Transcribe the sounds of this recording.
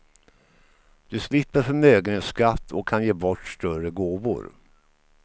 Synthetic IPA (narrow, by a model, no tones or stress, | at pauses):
d̪̥ɵslɪpːəɾfœɾmøːɡəneskat̪ʰːɔkʰːanjeːbɔʈːsʈ̪œɾəɡoːvʊ̰ɾ